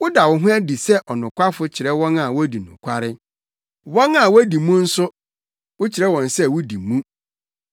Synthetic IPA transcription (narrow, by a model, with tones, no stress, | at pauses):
wʊ˦da˨wʊ˨ɦʊ̃˦æ˦di˨sɛ˦ʔɔ˨nʊ̃˨kʷʰa˦fʊ˦t͡ɕʰɪ˨ɾɛ˦wɔ̃˦na˨wɔ˦di˨nʊ̰̃˨kʷʰa˦ɾɪ˦ | wɔ̃˦na˨wɔ˦di˨mũ˦n̩˦sʊ˦ | wʊ˦t͡ɕʰɪ˨ɾɛ˦wɔ̃˨nsɛ˦wʊ˦di˨mũ˦